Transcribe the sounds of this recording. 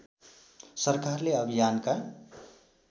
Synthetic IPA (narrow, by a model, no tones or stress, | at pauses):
səɾkaɾleəbʱijanka